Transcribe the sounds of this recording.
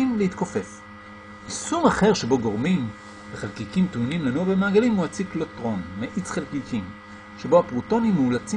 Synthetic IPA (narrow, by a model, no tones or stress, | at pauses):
imleit̪kofe̞f | isumaχe̞ʁʃe̞bo̞ɡo̞ʁmim | veχalkikimt̪unimlanuabemaːɡalimuat͡siklotʁo̞nmeʔit͡sχelkikʰim | ʃe̞bo̞apʁuto̞nimeulat͡si